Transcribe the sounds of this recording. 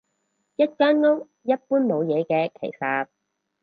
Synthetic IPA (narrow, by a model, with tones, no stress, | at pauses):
jɐ˥t̚kœː˥nŋo˥k̚ | jɐ˥t̚puː˥nmo˨˧wjɛː˨˧kɛː˧kʰḛ˨˩jsaː˧p̚